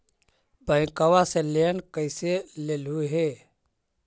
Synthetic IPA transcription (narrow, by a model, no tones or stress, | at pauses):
bʱəɪ̃kəwasẽlenkəɪselelɦueɦe